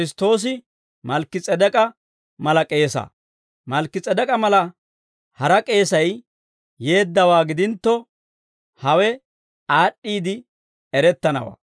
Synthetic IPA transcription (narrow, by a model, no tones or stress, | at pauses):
kɾɪst̪o̞ːs̬ɪ | mɐlkːɪt͡sʼɛd̪ɛkʼɐ | mɐlɐkʼe̞ːsɐ̰ː | mɐlkːɪt͡sʼɛd̪ɐkʼɐmɐlɐ | hɐɾɐkʼe̞ːsɐj | je̞ːd̪ːɐwaːɡɪd̪ɪnt̪ːɔ | hɐwɛ | aːɗʼːiːd̪ɪ | ɛɾɛt̪ːɐnɐ̰wa̰ː